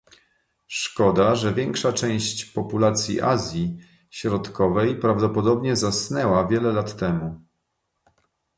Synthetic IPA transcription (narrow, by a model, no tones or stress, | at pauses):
ʂkɔd̪aʐɛvʲjɛŋkʂat͡ʂɛ̃w̃ɕt͡ɕpɔpulat̪sʲjḭʔa̰zʲji | ɕɾɔt̪kɔvɛjpɾavd̪ɔpɔd̪ɔbɲɛzasnɛwavʲjɛlɛlat̪ːɛmu